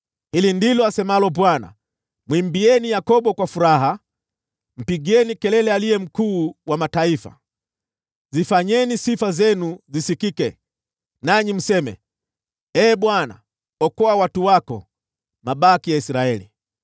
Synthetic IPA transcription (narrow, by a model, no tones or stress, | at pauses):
hilindilɔasɛmalɔbwana̰ | mwimbiɛnijakɔɓɔkwafuɾaɦa | m̩piɠɛnikɛlɛlɛalijɛm̩kuːwamataifa̰ | zifaɲɛnisifazɛnuzisikikɛ | naɲim̩sɛmɛ̰ | ɛːɓwana̰ | ɔkɔawatuwakɔ̰ | maɓakijaisɾaɛlḭ